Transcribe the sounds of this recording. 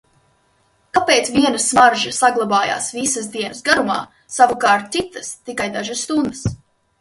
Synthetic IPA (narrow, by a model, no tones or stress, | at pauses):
kapeːt̪sviɛnɐsmaɾʒɐsaɡlˠabaːja̰ːsvisasd̪iɛnɐsɡaɾuma̰ː | savukaːɾt̪̚sit̪ɐst̪ikajd̪aʒasːt̪und̪əs